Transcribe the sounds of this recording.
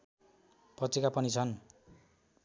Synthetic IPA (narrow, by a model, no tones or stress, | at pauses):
pʌt͡sekapʌnit͡sʰʌn